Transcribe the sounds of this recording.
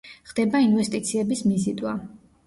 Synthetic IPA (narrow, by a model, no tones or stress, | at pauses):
χd̪̥ɛbainvɛst̪ʼit̪sʰiɛbismizit̪ʼwa